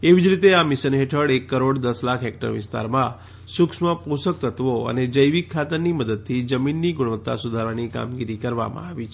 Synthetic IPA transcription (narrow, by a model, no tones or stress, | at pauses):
eʋid͡ʒɾit̪eamiʃənɦeʈʰəɽekːəɾoɽd̪əslakʰɦek̚ʈə̰ɾʋɪ̰st̪a̰ɾmã | suksmãpusək̚t̪ət̪ʋoə̰ned͡ʒəjʋikʰːat̪əɾniməd̪əd̪̚t̪ʰid͡ʒəminːiɡʊɽʋət̪ːa̰sud̪ʱaɾʋanika̰mɡiɾikəɾʋa̰mã̰aʋit͡ʃʰ